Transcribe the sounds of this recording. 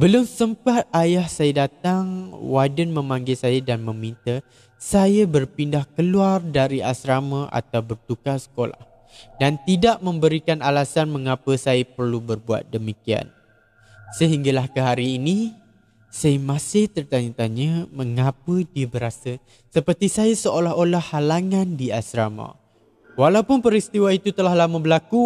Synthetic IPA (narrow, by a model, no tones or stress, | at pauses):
bəlʊmsəmpat̪̚ajahsajədat̪aŋwadənmə̃maŋɡɪlsajadanmə̃mĩnt̪a | sajəbərpindahkəluardaɾiʔasɾaməʔa̰t̪awbərt̪ukasə̥kola̰h | dant̪idaʔmə̃mbəɾikanalasanmə̃ŋapəsajəpərlubərbua̰t̪̚dəmikia̰n | səɦiŋɡalahkəɦaɾiːnĩ | sajmãsɪht̪ərt̪aɲət̪aɲəmə̃ŋapədiəbəɾasə | səpərt̪isajəsəolaɦolahːalaŋãndiasɾama̰ | walawpʊnpəɾist̪iwait̪ut̪əlahlaməbəlaku